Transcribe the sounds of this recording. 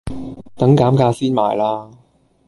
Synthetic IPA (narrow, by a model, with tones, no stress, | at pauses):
t̪ɐ˨˥ŋkaː˨˥mkaː˧siː˥nma̰ː˨˩jlaː˥